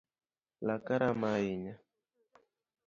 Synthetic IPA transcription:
lakaɾamaiɲa

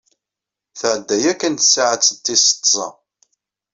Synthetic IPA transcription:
θəʕəd̪ːæjækːənθə̥sʕət͡sːət̪ːisə̥t̪ˤsˤɑ̰

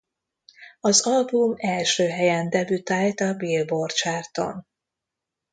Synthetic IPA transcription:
ɒzɒlbumɛlʃøːɦɛjɛnd̪ɛvyt̪aːjt̪ɒbiːlbort͡ʃaːrt̪o̞̰n

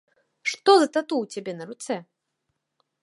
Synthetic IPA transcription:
ʂt̪ɔzɐt̪at̪uwt͡sʲabʲɛnɐɾut̪sɛ

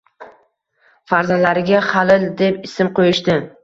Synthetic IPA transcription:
faɾzalaɾɪɡʲaχalɪld̪e̞pɪsɪmqojɪʃt̪ɪ

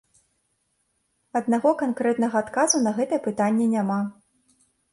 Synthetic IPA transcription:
ɐd̪naɣɔkankɾɛt̪nɐɣɐat̪kazunɐɣɛt̪ɐjɛpɨt̪anʲːɛnʲama

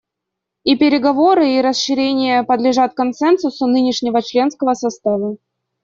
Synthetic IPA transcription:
ipʲɪɾʲɪɡɐvo̞ɾɨiɾəsʂɨɾʲenʲɪjəpəd̪lʲɪʐat̪̚kɐnsɛnsʊsʊnɨnʲɪʂnʲɪvət͡ɕlʲe̞nskəvəsɐst̪avə

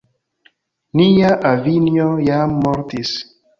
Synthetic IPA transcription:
nijaʔavinɔjamɔɾt̪is

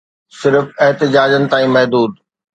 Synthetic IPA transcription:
sɪɾfɛɦt̪ɪd͡ʑaːd͡ʑənɪ̆t̪aːĩmɐɦd̪uːd̪

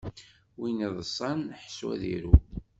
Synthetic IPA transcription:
winiðˤəsˤːɑnħswæ̰ðḭɾu

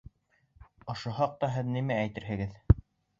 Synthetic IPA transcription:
ŏʃohɑq̚t̪ɑɦɘðnimææjt̪ɘɾɦɘ̆ɡɘð

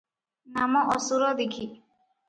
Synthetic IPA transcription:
namɔʔɔsuɾɔd̪ikʰi

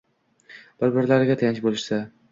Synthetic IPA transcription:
b̥ɪɾbɪɾlaɾɪɡʲat̪ʰajant͡ʃbolɪʃsa

